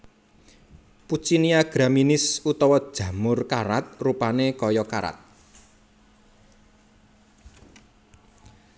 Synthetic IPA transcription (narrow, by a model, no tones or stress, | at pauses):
put͡ʃiniaɡ̥ɾaminɪsut̪ɔwɔd̥ʒ̥ä̤mʊrkaɾat̪̚rupanekɔjɔkaɾa̰t̪̚